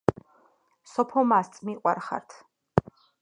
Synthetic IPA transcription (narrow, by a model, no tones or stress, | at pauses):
sɔpʰɔmast̪sʼmiqʼwa̰ɾχa̰ɾt̪ʰ